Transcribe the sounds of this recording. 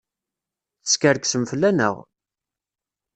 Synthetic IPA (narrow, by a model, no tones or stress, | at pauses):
θə̥skəɾksəmfəlːænə̰ʁ